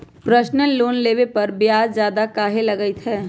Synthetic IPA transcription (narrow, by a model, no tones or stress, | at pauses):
pɾəʃnəloːnleːʋepɐɾbjaːd͡ʒd͡ʒjaːd̪akaːɦelɐɡəit̪ɦɛː